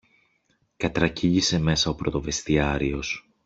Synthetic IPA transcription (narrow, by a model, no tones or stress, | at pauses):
kɐt̪ɾɐciʝise̞me̞sɐo̞pɾo̞t̪o̞ve̞st̪iɐɾio̞s